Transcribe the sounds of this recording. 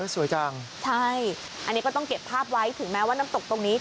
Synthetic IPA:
su˩˦jt͡ɕaː˧ŋt͡ɕʰa˥˩j | ʔa˧nːiː˦˥kɔ˥˩t̪ɔ˥˩ŋke˨˩pʰːaː˥˩p̚wa˦˥jt̪ʰɯ˨˩˦mɛː˦˥waː˥˩naː˦˥mt̪o˨˩k̚t̪o˧ŋniː˦˥

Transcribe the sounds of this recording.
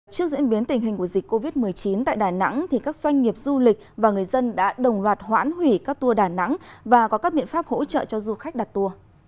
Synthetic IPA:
t͡ɕɨ˦˥k̚zḭ˧˥ənɓi˨˦ənt̪ï˨˩ŋ̟ɦi˨˩ŋ̟ku˧˩əzï˨˩k̚ko˧vi˦˥t̚mɨ˨˩əjt͡ɕi˨˦nt̪a̰ː˧˨jɗaː˧˩na̰˧˥ŋt̪ʰi˨˩kaː˦˥k̚z̥wa˧jŋ̟ŋi˨˩əp̚zu˧lï˨˩k̟̚vaː˨˩ŋɨ˨˩əjzə˧nɗa̰ː˧˥ɗə˨˩wŋ͡mlwaː˨˩t̚hwa̰ː˧˥nhwi˧˩kaː˦˥k̚t̪u˧əɗaː˧˩na̰˧˥ŋvaː˨˩kɔ˨˦kaː˦˥k̚ɓḭ˧˨ənfaː˦˥p̚ho̰˧˥t͡ɕə̰ː˧˨t͡ɕɔ˧zu˧xa˦˥k̚ɗa˨˩t̚t̪u˧ə

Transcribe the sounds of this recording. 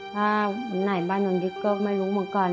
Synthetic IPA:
t̪ʰaː˧˩a˧˩nːa˨˧˩jbaː˧˩˨no˧˩˨ndi˧˥kɔː˥˩ma˥˩jɾuː˦˥mɯ˩˦nkɔː˧˩n

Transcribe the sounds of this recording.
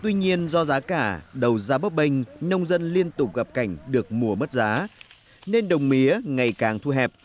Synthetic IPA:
t̪wi˧ɲi˧ənzɔ˧zaː˨˦kaː˧˩ɗə˨˩wzaː˨˦ɓə˦˥p̚ɓə˧ŋ̟nə˧wŋ͡mzə˧nli˧ənt̪ʊ˨˩k͡p̚ɣə˨˩p̚ka˧˩jŋ̟ɗɨ˨˩ək̚mu˨˩əm˦˥t̚zaː˨˦ | ne˧nɗə˨˩wŋ͡mmi˨˦əŋa˨˩jkaː˨˩ŋt̪ʰu˧ɦɛ˨˩p̚

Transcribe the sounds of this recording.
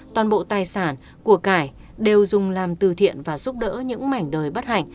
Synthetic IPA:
t̪waː˨˩nɓo̰˧˨t̪aː˨jsaː˧˩n | ku˧˩əkaː˧˩j | ɗe˨˩wzʊ˨˩ŋ͡mlaː˨˩mt̪ɨ˨˩t̪ʰḭ˧˨ənvaː˨˩zu˦˥p̚ɗə̰ː˧˥ɲɨ̰˧˥ŋma˧˩jŋ̟ɗəː˨˩jɓə˦˥t̚ha̰˧˨ŋ̟

